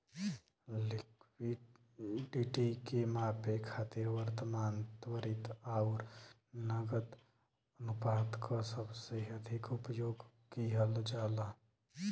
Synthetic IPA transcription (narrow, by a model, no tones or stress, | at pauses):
lɪkwiɖ | ɖiʈikemãːpekʰaːt̪iɾʋəɾt̪əmaːnt̪wəɾɪt̪aːʊɾ | nəɡəd̪ | ənupaːd̪kʰosəbseəd̪ʱɪkʊpjoːɡ | kiɦəld͡ʒaːla